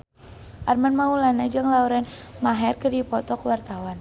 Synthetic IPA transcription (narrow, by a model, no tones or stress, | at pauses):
ʔarmanmaulanad͡ʒɨŋlauɾɛn | maɦɛrkədipɔt̪ɔkəwart̪awan